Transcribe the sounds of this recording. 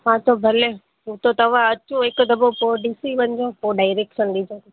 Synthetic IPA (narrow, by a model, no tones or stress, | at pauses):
ɦãːt̪obʱɐle | ɦũt̪ot̪ɐʋ̤ãɐt͡ɕõɦɪkʊd̪ɐbopoɖisiʋɐ̃ɲɪ̆d͡ʑopoːɖaːɪɾeːkʃənɗid͡ʑõ